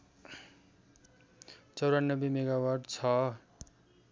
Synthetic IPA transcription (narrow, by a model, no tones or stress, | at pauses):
t͡sʌwɾanːʌbemeɡawarɖt͡sʰʌ